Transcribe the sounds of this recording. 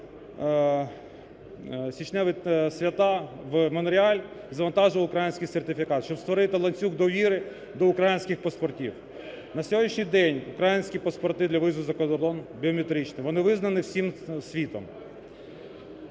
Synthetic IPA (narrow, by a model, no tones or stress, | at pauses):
sʲit͡ʃnɛʋɪsʲʋʲɐt̪ɑʋmɔnɔɾʲɪalʲzɐʋɐnt̪ɑʒʊʋɐʊkɾajɪnʲsʲkʲɪjsert̪ɪfʲikɑt̪ʃt͡ʃɔbst̪ʋɔɾɪt̪ɪlˠɐnʲt͡sʲuɡd̪ɔʋʲiɾɪ | d̪ɔʊkɾajinʲsʲkʲɪxpɐspɔrtʲiw | nɐsʲɔɦɔdʲnʲiʃnʲijd̪ɛnʲʊkɾajɪnʲsʲkʲipɐspɔrt̪ɪd̪lʲɐʋɪzʊzɐkɔd̪ɔrd̪ɔnbʲiɔmʲet̪ɾʲit͡ʃnɪʋɔnɪʋɪznɐnɪwsʲimsʲʋʲit̪ɔm